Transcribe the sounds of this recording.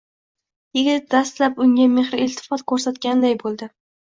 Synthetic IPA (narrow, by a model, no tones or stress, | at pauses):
jɪɡʲɪt̪̚d̪ast̪lapʊŋɡʲamehɾɪlt̪ʰɪ̥fɒt̪̚kʰɵɾsat̪kʲanɪd̪ajbolˠd̪ɪ